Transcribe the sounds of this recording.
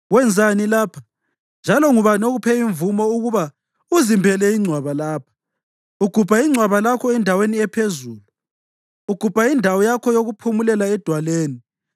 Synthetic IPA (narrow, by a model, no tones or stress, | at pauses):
ɣwɛnd͡zʱanilaːpʰa | nd͡ʒʱalɔŋuβanoɣupʰɛiɱvumɔuɣuβa | uzimbʱɛlɛiŋ͡ǀʱwaβalaːpʰḁ | uɡ̥ʱub̥ʱaiŋ͡ǀʱwaβalakʰɔɛndʱaweniɛpʰezuːlu | uɡ̥ʱub̥ʱaindʱawɔjakʰɔjoɣupʰumulɛlaɛd̥ʱwaleːni